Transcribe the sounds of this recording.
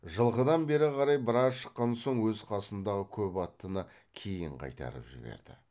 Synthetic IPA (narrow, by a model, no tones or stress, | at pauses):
ʒəlˠʁəd̪ɑnbe̞ɾɪqʰɑɾɑjbəɾɑzʃə̥qːɑnso̞ɴwɵzqʰɑsənd̪ɑʁəkʲʰɵpɑt̪ːənə | kʲʰe̞jɪɴqʰɑ̰jt̪ɑ̰ɾəpʒɪ̰be̞̰ɾd̪̥ɪ̰